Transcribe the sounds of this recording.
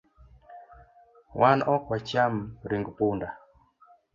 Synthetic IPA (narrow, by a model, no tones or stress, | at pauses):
wʔanɔkwɔt͡ʃamɾiŋɡpunda